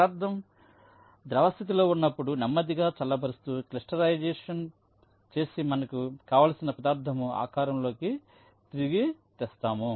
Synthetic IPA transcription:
aːɾd̪ʱɐm | d̪ɾɐʋɐst̪it̪̬ilo̞ːunːɐpːuɽunɐmːɐd̪iɡaːt͡ʃɐlːɐbʱɐɾust̪uːklisʈɐɾɐjd͡ʒɛːʂɐn | t͡ʃe̞ːsimɐnɐkukaːʋaːlɐsinɐpɐd̪aːɾd̪ʱɐmua̰ːkaːɾɐmlo̞ːki | t̪iɾiɡit̪ɛːst̪aːmu

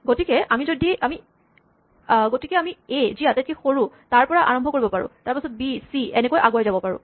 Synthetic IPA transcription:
ɡotikɛʔamizodiʔami | ɡotikɛamieziatɛt̚kixoɹũ | taɹpɔɹaʔa̰ɹɔmbʱɔkoɹibɔpaɹʊ̰̃taɹpasɔt̚bisiɛnɛkojʔaɡuajzabɔpaɹʊ̰̃

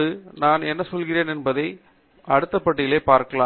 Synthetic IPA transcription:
ɯnaːnɛnːɐsɔlɣɪreːnɛnbɐðɐɪ | ʔɐɽɯt̪ːɐpːɐʈːɪjɪleːpːaːɾkɐlaː

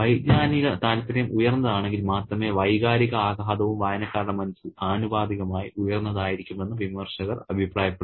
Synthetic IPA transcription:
ʋɐjɡɲaːniɣɐt̪aːlɐt̪ːɐɾɐjɐmʔujɐrnːɐðaːɳe̞ŋɡilmaːt̪rɐme̞ʋɐjɣaːɾiɣɐaːɡʱaːd̪ɐʋumʋaːjɐnɐkːaːɾɐɭɐmːɐnɐsiaːnubaːd̪iɣɐmaːjiujɐrnːɐðaːjiɾikʲːume̞nːɐʋimɐrʂɐɣɐrɐbʱipraːjɐpːeɽ

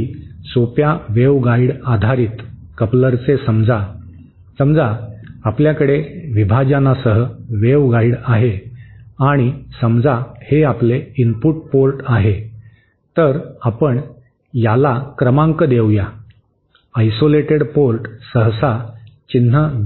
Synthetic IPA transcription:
sopjaʋeʋɡaiɽad̪ʱaɾiːt̪ | kəpləɾt͡sesəmd͡za | səmd͡zaːpljakəɽeʋibʱad͡ʑanasəɦəʋeʋɡaiɽaɦe | aɽ̃isəmd͡zaheapleinpuʈ̚polʈaɦe | t̪əɾapəɳ | jalakɾəmãŋkəd̪ewja | ajsoleʈeɽpolʈsəɦsat͡ɕin̤ə

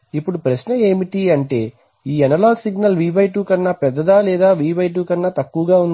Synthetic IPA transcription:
ipːuɽupɾɐsnɐeːmiʈiɐɳʈe̞ː | iːɛnɐlaːlsiɡnɐlʋiːbɐjʈuːkɐnːɐpɛd̪ːɐd̪aːlɛːd̪aːʋiːbɐjʈ̬uːkɐnːɐt̪ɐkːuʋɐɡaːun

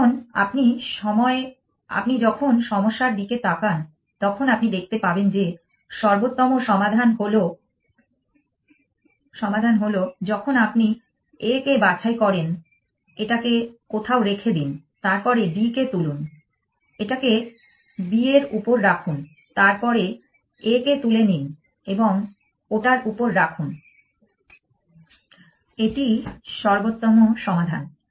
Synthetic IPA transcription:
na̰pniʃɔmɔe | a̰pnid͡ʑɔkʰonʃɔmoʃːaɾbiket̪akan | t̪ɔkʰonapnid̪ek̚ʰt̪epabend͡ʑe | ʃɔɾbot̪ːɔmoʃɔmad̪ʱanɦolo | ʃɔmad̪ʱanɦolod͡ʑɔkʰonapni | ekebat͡ɕʰaekɔɾen | eʈakekot̪ʰaoɾekʰed̪in | t̪aɾpɔɾebiket̪ulun | eʈake | bieɾupoɾːakʰun | t̪aɾpɔɾe | eket̪ulenin | eboŋ | oʈaɾupoɾːakʰun | eʈiʃɔɾbot̪ːomoʃɔmad̪ʱan

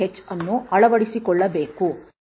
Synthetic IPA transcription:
et͡ʃːɐnːuɐɭɐʋɐɽisikɔɭːɐbe̞ːku

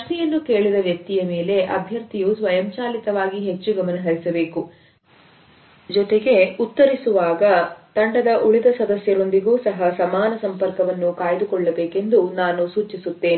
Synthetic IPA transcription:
ɐʂʈijɐnːuke̞ːɭid̪ɐʋjɐk̚t̪ijɐme̞ːle̞ʔɐbʱjɐɾt̪ijusʋɐjɐmt͡ʃaːlit̪ɐʋaːɡiɦe̞t͡ʃːuɡɐmɐnɐɦɐɾisɐbe̞ːku | d͡ʒɔt̪eɡe̞ut̪ːɐɾisuʋaːɡɐt̪ɐɳɖɐd̪ɐʔuɭid̪ɐsɐd̪ɐsjɐɾo̞nd̪iɡuːsɐɦɐsɐmaːnɐsɐmpɐɾkɐʋɐnːukaːjɐd̪ukɔɭːɐbeːke̞nd̪unaːnusuːt͡ʃisut̪ːe̞ːni

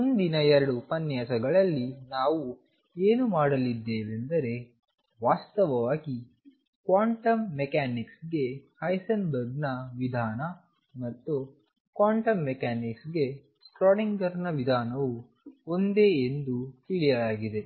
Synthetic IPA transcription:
mund̪inɐɛɾɐɽupɐnjaːsɐɡɐɭɐlːinaːʋu | eːnumaːɽɐlid̪ːeːʋe̞nd̪ɐɾe̞ | ʋaːst̪ɐʋɐʋaːɡi | kʋaːɳʈɐmːɛkaːniksɡe̞hɐjsɐnbɐɾɡnɐʋid̪ʱaːnɐ | mɐt̪ːu | kʋaːɳʈɐmːɛkaːniksɡe̞ | sʈɾoːɽiŋɡɐɾnɐʋid̪ʱaːnɐʋu | o̞nd̪eːend̪ut̪iɭijɐlaːɡid̪e̞

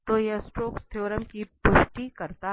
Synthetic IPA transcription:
t̪oːjɐsʈɾoːkst̪ʰoːɾəmkipʊʃʈikɐɾt̪a

